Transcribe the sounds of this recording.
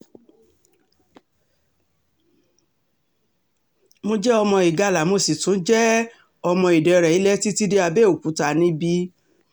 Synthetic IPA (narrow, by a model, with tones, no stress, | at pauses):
mo˧d͡ʒɛ˦ɔ˧mɔ̃˧i˨ɡa˧˨la˨mo˧si˨tũ˨˦d͡ʒɛ˦ | ɔ˧mɔ̃˧i˨dɛ˨˧ɾɛ˨i˨˦lɛ˦ti˦ti˦de˦a˧bɛ˦o˨ku˨˦ta˧˨nĩ˦bi˦